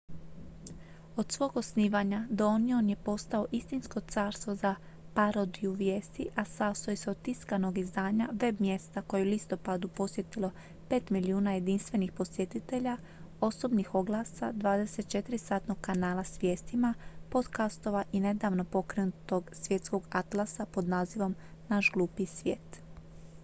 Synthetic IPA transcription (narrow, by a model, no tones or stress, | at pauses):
o̞d̪̥sʋo̞ːɡo̞sniːʋaɲad̪onionje̞po̞st̪ao̞ʔist̪insko̞t̪saːɾst̪ʋo̞za | paɾo̞d̪iuʋjeːst̪iʔasast̪ojeseod̪̚t̪iskano̞ɡizd̪aːɲaʋe̞bmje̞st̪ako̞jeulist̪o̞pad̪upo̞sʋje̞t̪ilo̞ | pe̞ːt̪miliuːnaje̞d̪inst̪ʋe̞nixpo̞sje̞t̪it̪e̞ʎa | o̞so̞bnixo̞ɡlˠaːsa̰d̪ʋaːd̪e̞se̞t̪̚t͡ʃe̞t̪iɾisaːt̪no̞ɡkanaːlˠasʋje̞ːst̪imapo̞d̪kast̪o̞ʋaʔine̞d̪aːʋno̞po̞kɾenut̪o̞ɡsʋje̞t̪sko̞ɡat̪lˠasapo̞d̪naːziʋo̞mnaʃɡlˠuːpisʋʲjeːt̪